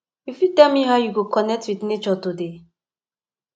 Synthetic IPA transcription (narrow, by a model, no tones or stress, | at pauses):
ifjutɛlmiɦaʊjuɡokɔnɛk̚twiθnet͡ʃɔtude